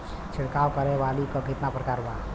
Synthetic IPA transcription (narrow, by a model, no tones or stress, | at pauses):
t͡ʃʰiɾkawkəɾɛʋalikəbʱit̪napɾəkaɾba